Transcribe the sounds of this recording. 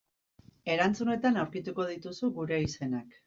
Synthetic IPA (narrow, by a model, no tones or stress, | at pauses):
e̞ɾant͡sune̞t̪anawɾkit̪uko̞ð̞it̪usuɣuɾe̞ise̞nak